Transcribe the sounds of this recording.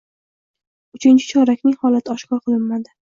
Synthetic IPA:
ʊt͡ʃʰɪnt͡ʃʰɪ̥t͡ʃʰɒɾakʲnɪŋhɒlat̪ʰɪɒʃkʲɒqʰɨlˠɪnmad̪ɪ

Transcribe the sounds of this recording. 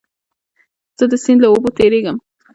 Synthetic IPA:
z̥əd̪əsɪnd̪laobot̪eɾeɡəm

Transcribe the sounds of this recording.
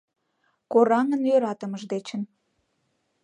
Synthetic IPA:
koɾɑŋənjøɾɑt̪əməʒd̪et͡ɕən

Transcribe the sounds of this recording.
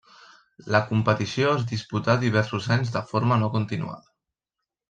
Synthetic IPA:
ləkumpət̪isioezd̪isput̪ad̪iβ̞ɛɾsuzaɲzðəfoɾmənokunt̪inṵa̰ðə

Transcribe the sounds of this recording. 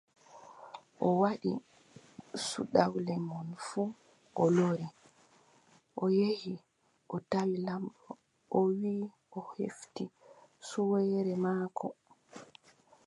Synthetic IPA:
ʔɔwaɗḭ | sṵɗawlɛŋɡɔnfu | ʔɔloɾi | ʔɔjehi | ʔɔtawilamɗɔ | ɔwiː | ʔɔhḛftisuwɛjɾɛmaːkʰɔ

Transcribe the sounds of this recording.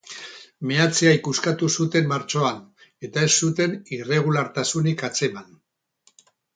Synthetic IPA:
meat͡seajkuskat̪usut̪e̞mːaɾt͡ʃo̞ane̞t̪ae̞sːut̪e̞nire̞ɣ̞ulaɾt̪asunikat͡se̞man

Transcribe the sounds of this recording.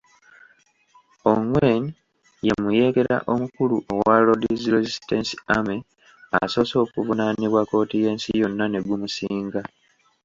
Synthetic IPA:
o̞ŋwen | je̞muje̞ːɡe̞ɾa̰ʔo̞mukuluʔowalo̞diziɾezistensi̥ame | a̰so̞ːso̞ːkuvunaːniβwako̞ːtije̞ːnsijo̞nːane̞ɡumusiːŋɡa

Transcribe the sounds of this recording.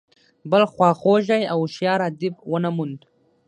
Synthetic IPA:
bəlxwɑːxoʒajawʃjɑːɾad̪ɪbwənamund̪

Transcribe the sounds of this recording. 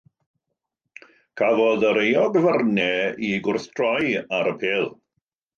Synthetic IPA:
kʰavɔðəɾejɔɡəvərnɛiɡʊrθdʰrɔjaɾəpʰeːlˠ

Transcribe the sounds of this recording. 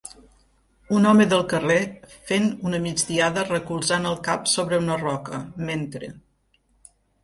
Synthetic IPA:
unɔməðəlˠkərefenunəmid͡ʒd̪iaðərəkulˠzanəlˠkapsoβɾəunərɔkəment̪ɾḛ

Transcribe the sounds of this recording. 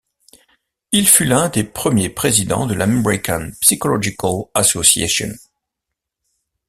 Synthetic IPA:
ilfylɛ̃d̪epχəmjepχezid̪ɑ̰̃d̪əlʔamɛʁikanpsikɔlɔʒikalasɔsja̰ʃɔ̰̃n

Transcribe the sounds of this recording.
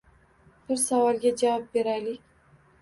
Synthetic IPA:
b̥ɨɾsawɑlɡʲad͡ʒawɑp̚beɾajlikʲ

